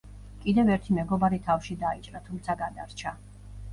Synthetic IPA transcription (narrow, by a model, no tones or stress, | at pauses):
kʼid̪ɛvɛɾt̪ʰimɛɡɔbaɾit̪ʰafʃid̪ait͡ʃʼɾat̪ʰumt̪sʰaɡad̪aɾt͡ʃʰa